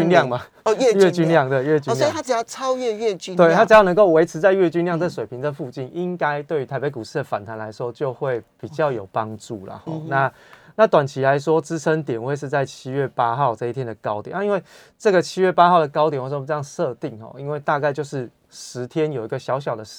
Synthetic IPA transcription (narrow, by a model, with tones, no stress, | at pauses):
nljɑ˥˨ŋma˨˩˧ | ɥɛ˥˨t͡ɕy˥nljɑ˥˨ŋd̪ə˨ɥɛ˥˧t͡ɕnʰ˥˨˩a˥˨˩ja˥˩ɑ˦˥ʊɥɛ˥˧ɥɛ˥˨˩t͡ɕt̪we˥˨t̪ʰa˥t͡s̩˨˩jɑ˥˩n˧ŋko˥˩ʊwe˧˥ɪʈ͡ʂ̩ʰ˧˥t͡sa˥˧ɪɥɛ˥˧t͡ɕy˥nljɑ˥˧ŋə˥˩ʂwe˨˩pʰi˨˦ŋd̪ə˨fu˥˧t͡ɕi˥˩nʔi˦ŋka˥ɪt̪we˥˩y˧t̪ʰa˧˥ɪpe˧˥ɪku˨˩ʂɻ̩˥˩d̪ə˩fa̰˨˩nt̪ʰa˧˦nla˧˦ɪʂwɔ˦t͡ɕjo˥˧ʊxwe˥˩ɪpi˨˩t͡ɕjɑ˥˩ʊjo˨˩ʊpɑ˦ŋʈ͡ʂu˥˩lə̰˩hɔ˥˩na˥˨ | na˥˩t̪wa˨˩nt͡ɕʰi˧˥la˧˦ɪʂwɔ˦t͡sɹ̩˦t͡sʰə˦ŋt̪jɛ˨˩nwe˥˧ɪʂɻ̩˥˧t͡sa˥˩ɪt͡ɕʰi˦˥ɥɛ˥˩pa˦˥xɑ˥˧ʊʈ͡ʂɤ˥˧i˥t̪ʰjɛ˦˥nd̪ə˨˩kɑ˥ʊt̪jna˥˧i˦nwe˥˧˩ | ʈ͡ʂɤ˥˩ɡə˩t͡ɕʰi˥ɥɛ˥˩pa˥xɑ˥˩ʊd̪ə˩kɑ˥ʊjnwʈ͡ʂə˥˧jɑ˥˧sʂɤ˥˧t̪i˥˨˩ŋxɔ̰˥˩i˦nwe˥˧ɪt̪a˥˧ka˥˧t͡ɕjo˥˧ʊʂɻ̩˥˩ | ʂɻ̩˧˥t̪ʰjɛ˦njo˨˩i˧˥ɡə˨ɕjɑ˧˥ʊɕ̬jɑ˨˩ʊd̪ə˦